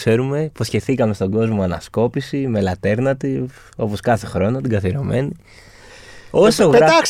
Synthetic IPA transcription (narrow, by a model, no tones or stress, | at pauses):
se̞ɾume̞posçe̞θikɐme̞st̪o̞ɡo̞zmoɐnɐsko̞pisime̞lɐt̪e̞ɾnɐt̪i | o̞po̞skɐθe̞xɾo̞not̪iɡɐθiɾo̞me̞ni | o̞soɣɾɐas